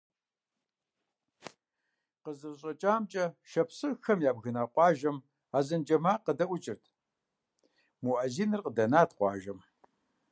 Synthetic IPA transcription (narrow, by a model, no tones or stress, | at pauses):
qəzɨrɕʼɐt͡ʃʼaːmt͡ʃʼɐʃɐpʰsɨxɐmjaːbɣɨnaːqʷɑːʒɐm | aːzɐnd͡ʒɐmaːqədɐʔʷʊt͡ʃʼɪrtʰ | muʔɐziːnɨrqədɐnaːtʰqʷɑ̰ːʒɐm